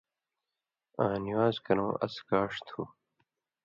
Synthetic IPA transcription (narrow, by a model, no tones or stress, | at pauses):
ãːniwaːzkɐnõːʔɐ̰skaːʂt̪ʰuː